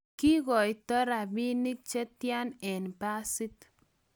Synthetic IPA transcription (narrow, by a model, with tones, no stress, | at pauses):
ki˦ɣɔ˨jtɔ˦ɾa˨bi˦ni˦k̚t͡ʃɛ˦tja˦nɛ˨npa˦sɪ˦t